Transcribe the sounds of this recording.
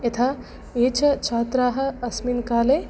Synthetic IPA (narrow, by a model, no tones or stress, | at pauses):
jɐt̪ʰaː | eːt͡ʃʰɐt͡ʃʰaːt̪ɾaːɦɐ̆ɐsminkaːle